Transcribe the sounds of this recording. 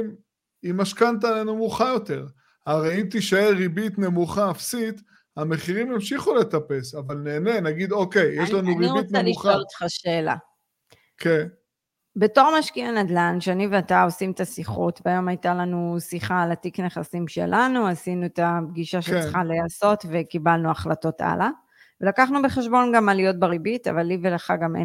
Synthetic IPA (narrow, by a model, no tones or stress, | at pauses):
m | imaʃkant̪̬aːlenumuχajo̞t̪e̞ʁ | haʁejimt̪iʃaeʁibit̪ne̞muχaːfsit̪ | ame̞χiʁimimʃiχule̞t̪ape̞savalneːne̞naɡid̪oke̞jjeʃlanuʁiiʁit̪nemliχat̪χaʃeːla̰ | kʰen | be̞to̞ʁmaʃkianad̪lanʃeaniveatao̞simet̪asiχṵtvajo̞majtalanusiχaːlatikneχasimʃe̞̰lʔanuasinuetab̚ɡiʃaʃet͡sχaleaso̞tvekibalnuaχlato̞tʔa̰la | velakaχnubeχe̞ʃbo̞nɡamalijo̞t̚baʁibita̰valːiveleχaɡamḛ